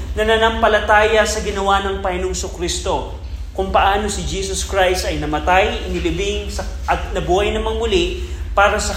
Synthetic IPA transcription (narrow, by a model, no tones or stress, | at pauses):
nɐnanɐmpɐlɐt̪aːjɐsɐɡɪnɐwanɐŋpɐhɪnoŋsʊkɾist̪o̞ | kʊŋpɐʔaːno̞sɪd͡ʒiːsoskɹajst̪ɐjnɐmɐt̪ajʔɪnɪlɪbɪŋsɐʔɐt̪̚nɐbuːhɐjnɐmɐŋʊlɪpaːɾɐsɐ